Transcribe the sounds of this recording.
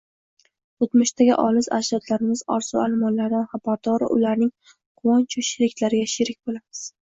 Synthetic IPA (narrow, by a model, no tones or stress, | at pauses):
ot̪mʊʃt̪ʰaɡʲɪ̰ʔɒlɪza̰ʃɾɒt̪ʰlaɾɪmɪz̥ɒ̰ɾsualɪmɒnlaɾd̪anχabaɾd̪ɒɾɪ̰ʔʊlaɾnɪŋ | qʰʊwɒnt͡ʃʰɔʃɪɾɪk̪̚ʲlaɾɪɡʲaʃɪɾɪk̚ʲbolamɪz̥